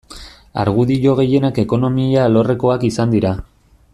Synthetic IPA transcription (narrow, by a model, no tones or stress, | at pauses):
a̰ɾɣ̞uðiʝo̞ɣe̞je̞nake̞ko̞no̞mialo̞re̞ko̞akisand̪iɾa